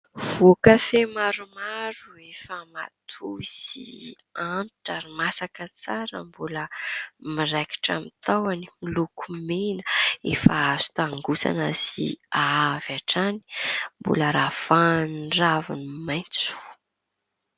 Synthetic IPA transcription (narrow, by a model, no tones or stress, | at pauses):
v̥okafemaɾumaɾuefəma̰t̪ʰusḭanʈ͡ʂaɾimasakət͡saɾə̰mbuləmiɾajki̥ʈ͡ʂa̰mit̪awanimilukumenəḛfaazu̥t̪aŋɡusa̰nəsḭavaʈ͡ʂani̥mbṵləɾafanɖ͡ʐavinimajnt͡su̥